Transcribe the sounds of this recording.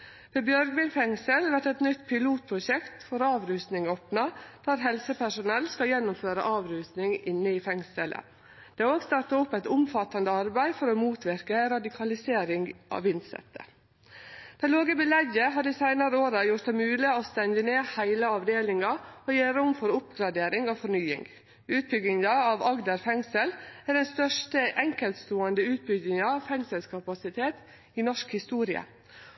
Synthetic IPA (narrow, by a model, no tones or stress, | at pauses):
ʋeːbjœɾɡʋɪɪfɛŋsəlʋæʈɛt̪nʏt̪ːpʰɪluːt̪̚pʰɾʊʃɛkt̪fɔɾɑːʋɾʉːst̪nɪŋoːpnɑd̪̥æːɾɦɛlsəpæʂʊnɛlːskɑljɛnːʊmføːɾə̰ʔɑːʋɾʉːst̪nɪŋɪnːəɪfɛŋsələ̰ | d̪̥ɛːoːɡst̪ɑʈ̪ɑʊpːæɪt̪ʊmfɑt̪ːɑnd̪əɑɾbæɪfɔɾɔmuːt̪ʰʋɪɾkəɾɑd̪ɪkʰɑlɪseːɾɪŋʔɑ̰ːʋɪnsɛ̰t̪ːə̰ | d̪̥ɛɪloːɡəbɪlɛɡəɦɑɖɪsæɪnɑɾəoːɾɑjʊʈ̚d̪ɛmʉːlɪost̪ɛnd̪əneːhæɪləɑʋd̪eːlɪŋɑɔːjeːɾʊmfɔɾʊpɡɾɑd̪eːɾɪŋoːfɔɾɳyːɪ̰ŋ | ʉːt̪̚bʏɡ̪ɪŋɑɑʋɑɡd̪əɾfɛŋsəlæɖɛnst̪œʂʈəʔɛŋkɛlt̪st̪oːənd̪əʉːt̪̚bʏɡ̪ɪŋɑɑʋfɛŋsəlskʰɑpɑsɪt̪ʰeːt̪ | ɪnɔʂkhɪst̪uːɾɪə̰